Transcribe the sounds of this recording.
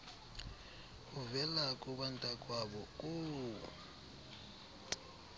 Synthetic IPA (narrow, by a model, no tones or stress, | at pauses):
uvɛlakʼuɓantʼakʼwaɓɔkʼu